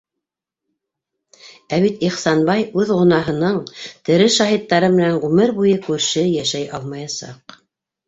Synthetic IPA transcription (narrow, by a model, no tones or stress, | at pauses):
æβit̪iχsɑnbɑjʉðʁŏnɑɦɤ̆nɤɴt̪ɘ̆ɾɘʃɑɦit̪ːɑɾɤmɘ̆nænʁʉmɘɾbujɤkʉɾʃɘjæʃæjʔɑlˠmɑjɑsɑ̰q